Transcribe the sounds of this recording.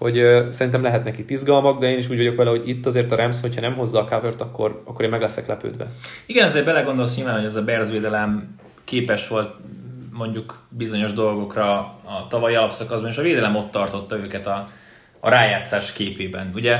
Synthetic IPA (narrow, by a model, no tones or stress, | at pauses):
ho̞ɟsɛɾint̪ɛmlɛɦɛt̪nɛkit̪ːizɡɒlmɒɡ̚d̪ɛeːniʃuːɟʋɒɟo̞kʋɛlɛho̞ɟit̪ːɒzeːrt̪ɒɾɛmsho̞cʰhɒnɛmɦo̞zːɒːkavørt̪ɒkːo̞̰rɒkːoɾeːnmɛɡlɛsɛklɛpø̰ːd̪ʋɛ̰iɡɛnɒzeːɾbɛlɛɡo̞nd̪o̞ls̬ɲilvaːnho̞ɟɛzɒbɛrzʋeːd̪ɛlɛm | keːpɛʃʋo̞lt̪̚mo̞ɲɟukbizo̞ɲo̞ʒd̪o̞lɡo̞krɒːt̪ɒvɒjiɒlɒpsɒkɒzbɒneːʃɒveːd̪ɛlɛmo̞t̪ːɒrt̪o̞t̪ːɒøːkɛt̪ɒ̰ː | ɾaːjaːt̪saːʃkeːpeːbɛnuɟɛ